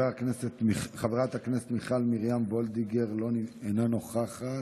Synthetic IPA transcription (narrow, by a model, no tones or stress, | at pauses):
akneset̪miχaveʁat̪hakneset̪miχalmiʁjamvo̞ld̪iɡeʁlonenanoχaχa